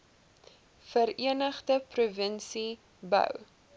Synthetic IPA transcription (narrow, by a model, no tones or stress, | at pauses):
fəɾiənəχdəpruvənsi | bœ̰w